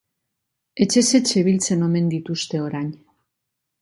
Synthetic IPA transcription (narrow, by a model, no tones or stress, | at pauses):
e̞t͡ʃe̞se̞t͡ʃeβilt͡se̞no̞me̞nd̪it̪ust̪e̞o̞ɾaɲ